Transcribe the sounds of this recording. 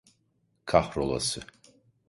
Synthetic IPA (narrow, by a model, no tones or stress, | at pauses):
kʰaχrolˠa̰sɨ